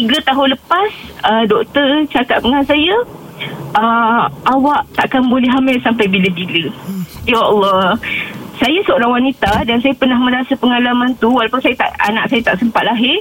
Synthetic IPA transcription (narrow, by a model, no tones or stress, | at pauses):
t̪iɡət̪aɦʊnləpasədɔʔkt̪ərt͡ʃakat̪̚bəŋansajə | əʔawaʔt̪aʔakanbolɛɦamɪlsampajbilabilijaʔɔlːɔ | sajasəoɾaŋwanit̪adansajapərnahmə̃ɾasapəŋalamant̪uwalawpʊnsajat̪a̰ʔa̰nã̰ʔsajat̪aʔsəmpat̪̚laɦɪr